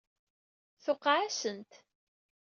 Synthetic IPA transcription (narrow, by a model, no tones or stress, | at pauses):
θʊqːʕasənt̪